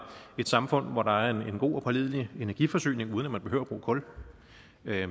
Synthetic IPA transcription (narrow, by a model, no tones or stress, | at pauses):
e̝d̥sɑ̈mfɔ̽n̰ʋɒɾɑ̈æɐe̝ne̝nɡ̥o̝̰ːɒ̽pʰɑlið̞̰ˠlie̝næɐɡ̥ifɒ̽sø̰ːne̝ŋuːð̞ˠnæmænb̥eø̰ʊ̰ɐb̥ʁṵːkʰɔ̽l